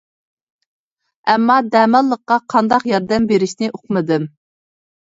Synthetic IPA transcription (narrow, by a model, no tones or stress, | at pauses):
ɛmːɑd̪ɛːmɑlˠːəqːɑqʰɑnd̪ɑqjɑɾd̪ɛmbeɾɪʃnɪʔoqmɨd̪ɨm